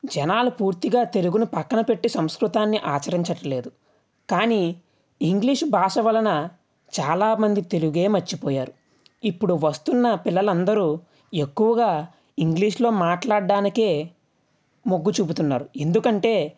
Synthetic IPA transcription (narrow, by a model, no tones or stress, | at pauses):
d͡ʒɛnaːlupuːɾt̪iɡaːt̪e̞luɡunupɐkːɐnɐpe̞ʈːisɐmskɾut̪aːnːiʔaːt͡ʃɐɾiɲt͡ʃɐʈɐle̞ːd̪u | kaːniː | iŋɡliːʂbʱaːʂɐʋɐlɐnɐ | t͡ʃaːlaːmɐnd̪it̪e̞luɡe̞ːmɐt͡ʃːipɔːjaːɾu | ipːuɽuʋɐst̪unːɐpilːɐlɐnd̪ɐɾuː | e̞kːuʋɐɡaː | iŋɡliːʂlo̞ːmaːʈlaːɖːaːnike̞ː | moɡːut͡ʃuːbut̪unːaːɾue̞nd̪ukɐɳʈe̞ː